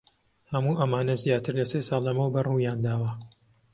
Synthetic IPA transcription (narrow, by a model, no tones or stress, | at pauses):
hɐmuːʔɐmaːnɐzjaːt̪ɨɾlɐseːsɑːlˠːɐmɐwbɐruːjaːnd̪aːwɐ